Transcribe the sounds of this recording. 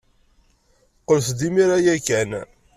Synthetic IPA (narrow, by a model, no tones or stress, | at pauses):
qːəlθd̪imiɾajækæn